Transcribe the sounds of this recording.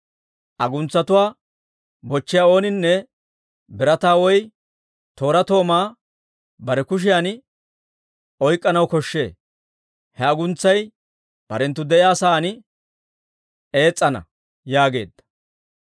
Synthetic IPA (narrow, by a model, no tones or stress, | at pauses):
ʔɐɡʊnt͡sːɐt̪ʊwaː | bɔt͡ʃːɪjaːo̞ːnɪnːɛ | bɪɾɐt̪aːwɔj | t̪o̞ːɾɐt̪o̞ːmaː | bɐɾɛkʊʃ̬ɪjaːn | ʔɔjkʼːɐnɐwkɔʃːe̞̰ː | hɛɐɡʊnt͡sːɐj | b̥ɐɾɛnt̪ːʊd̪ɛʔɪjaːsaːnɪ | e̞ːt͡sʼːɐnɐ̰ | jaːɡe̞̰ːd̪ːɐ̥